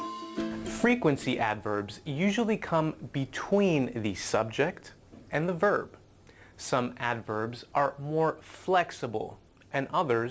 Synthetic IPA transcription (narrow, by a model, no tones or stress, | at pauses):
fɹikwɨ̃nsiʔædvə˞bzjʉʒl̩ˠikʰʌ̃mbɨtʰw̥ĩnðɨsʌb̚d͡ʒɪk̚t | ʔɨ̃nðəvɜ˞b̥ | sʌ̃mædvə˞bzʔə˞mɔɹflɛksəbl̩ˠ | ʔɨ̃nʌðə˞